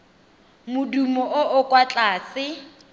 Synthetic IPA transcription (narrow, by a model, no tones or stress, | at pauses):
mʊdumɔʊʔʊkʼwat͡ɬʼaːsɪ